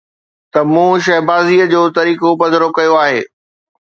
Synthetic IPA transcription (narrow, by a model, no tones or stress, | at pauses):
t̪ɐmũːʃ̬ɐɦbaːziːəd͡ʑoːt̪ɐɾiːkobɐd̪ʱəɾokɐjoaːɦeː